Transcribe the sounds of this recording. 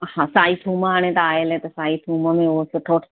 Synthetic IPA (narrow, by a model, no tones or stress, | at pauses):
hãːsaːit̪ʰuːməɦaːɽ̃et̪aaːelɦɛt̪ɐsaːit̪ʰuːməmẽoosɪʈʰoːʈʰ